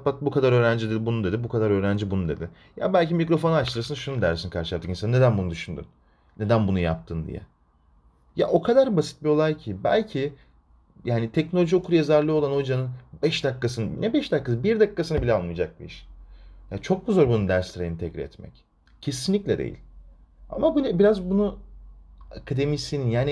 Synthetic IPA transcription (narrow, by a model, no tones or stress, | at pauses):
pat̪̚bukʰad̪aɾøːɾænd͡ʒid̪ed̪ibunud̪e̞d̪ibukʰad̪aɾø̞ːɾænd͡ʒibunud̪e̞d̪ɪ | ja̰bælʲcimicɾo̞fo̞nat͡ʃlˠɯɾsɯnʃunud̪æɾsinkʰaɾʃʃjap̚t̪ɯkisanne̞d̪ænbunud̪yʃynd̪y̰n | ne̞d̪ænbunuja̰p̚t̪ʰɯnd̪ḭjɛ̰ | ja̰ʔo̞kʰad̪aɾbasi̥t̪̚bio̞lˠajcʰibæ̰lʲcʰi | jaːnit̪ʰɛcnolʲo̞ʒiokʰuɾjezaɾlʲˠɯo̞lˠano̞jd͡ʒanɯnbɛʃd̪akːasɯnɯnɛbɛʃd̪akːasbiɾd̪akʰːasɯnɯbilʲɛalˠmɯjd͡ʒak̚biḭʃjat͡ʃʰo̞k̚buzoɾbunund̪æɾslʲɾejinit̪ʰɛcɾʲḭɛ̰t̪mɛ̰c | cʰe̞sinlʲiclʲɛd̪ḛjḭlʲ | a̰mabunɛbiɾazbunu | akʰad̪e̞misininjaːn